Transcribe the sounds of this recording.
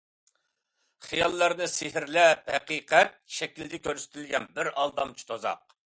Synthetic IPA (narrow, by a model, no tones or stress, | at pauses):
χijɑlˠːɑɾnɨsehɪɾlɛp̚hɛqiqɛt̪̚ʃɛkʲild̪ɪkʲøɾsɪ̥t̪ʰɪlɡʲɛnbɪɾɑlˠd̪ɑmt͡ʃʰi̥t̪ʰozɑ̰q̚